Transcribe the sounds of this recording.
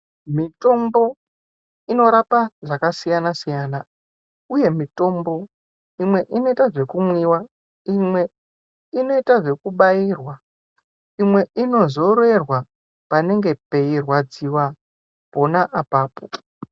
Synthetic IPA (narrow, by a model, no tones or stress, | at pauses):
mito̞mbo̞ | ino̞ɾapaʐakasijanasijaːna | uje̞mito̞mbo̞ | imwe̞ʔino̞itaʐe̞kumwiwa | imwe̞ | ino̞itaʐe̞kuɓairwa | imwe̞ʔino̞zo̞ɾe̞rwa | pane̞ŋɡe̞pe̞irwad͡ziwa | po̞naʔapaːpo